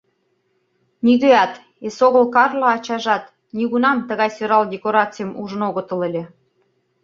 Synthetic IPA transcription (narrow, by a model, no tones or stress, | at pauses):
niɣøɑt̪ | esoɣə̆lkɑrlɑːt͡ɕɑʒɑt̪ | nʲiɣunɑmt̪əɣɑjsøɾɑldʲekoɾɑt͡sɨjəmuʒə̆noɣə̆t̪ə̆lelʲĕ